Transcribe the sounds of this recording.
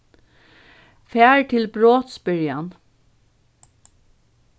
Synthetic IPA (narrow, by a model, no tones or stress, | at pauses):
fæːɹʈ̪ʰɪlbɾoːt̪spɪɹjan